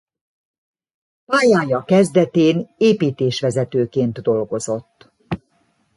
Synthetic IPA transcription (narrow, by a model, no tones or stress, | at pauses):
paːjaːjɒkɛzd̪ɛt̪eːneːpiːt̪eːʃʋɛzɛt̪øːkeːnt̪d̪o̞lɡo̞zo̞t̪ː